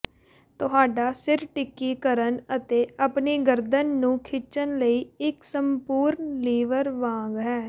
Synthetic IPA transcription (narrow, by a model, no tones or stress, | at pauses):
t̪ʊɦaːɖaːsɪɾʈɪkːiːkəɾənət̪eːəpneːɡəɾd̪ənːũːkʰɪt͡ʃənləiːɪksəmpuːɾnliːʋəɾʋãːŋɡɦɛː